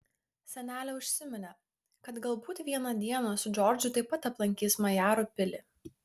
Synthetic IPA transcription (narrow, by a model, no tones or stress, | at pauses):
sʲɛnʲæːlʲɛʊʃʲsʲɪmʲɛnʲɛ | kɐt̪ɡɐlˠbuːt̪ʋʲiɛnɐd̪ʲiɛnɐsʊd͡ʒʲɔɾʲd͡ʒʲʊt̪ɐɪpɐt̪ɐplˠɐŋʲkʲiːsmɐjæːɾupʲɪlʲɪ